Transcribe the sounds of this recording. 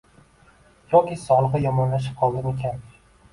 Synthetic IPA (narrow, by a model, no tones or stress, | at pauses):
jɒkʲisɒlˠɨʁɨjɒmɒnlaʃ̬ɪ̥p̚qʰɒlˠd̪ɪme̞kʲʰan